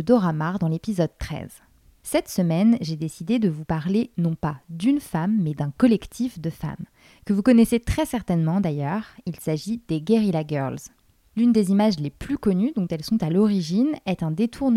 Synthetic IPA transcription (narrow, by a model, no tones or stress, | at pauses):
əd̪ɔʁamaʁd̪ɑ̃lepizɔd̪̚t̪χɛ̰z | sɛt̪səmɛnʒed̪esid̪ed̪əvupaʁlenɔ̃pad̪ynfamːɛd̪ɛ̃kɔlɛkt̪ʰifd̪əfa̰m | kəvukɔnɛset̪χɛsɛʁt̪ɛnmɑ̃d̪ajœʁilsaʒid̪̥eɡeʁilaɡœ̰ʁlz | lynd̪ezimaʒleplykɔnyd̪ɔ̃t̪ɛlsɔ̃t̪alɔʁiʒinɛt̪ɛ̃d̪et̪ʰuʁn